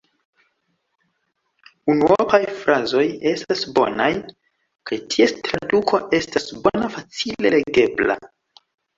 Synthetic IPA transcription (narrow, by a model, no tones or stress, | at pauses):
unuopajfɾʔazo̞je̞stasbo̞̰naj | kajtʰiestɾadukʰo̞ʔe̞stasbo̞nafat͡sile̞le̞ɡe̞bla̰